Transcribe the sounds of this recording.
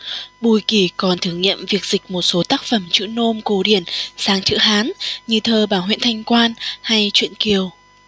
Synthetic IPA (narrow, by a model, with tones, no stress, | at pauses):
ɓu˧˩jki˧˩kɔ˨˩nt̪ʰɨ˧˩əŋɲḭ˧˨əmvi˨˩ək̚z̥i˨˩k̟̚mo˨˩t̚so˨˦t̪aː˦˥k̚fə˧˩mt͡ɕɨ̰˧˥no˧mko˨˦ɗi˧˩ənsaː˨˩ŋt͡ɕɨ̰˧˥ɦaː˨˦nɲɨ˧t̪ʰəː˨˩ɓaː˧˩ɦwḭ˧˨nt̪ʰa˧jŋ̟kwaː˧nha˧jt͡ɕwḭ˧˨ənki˨˩əw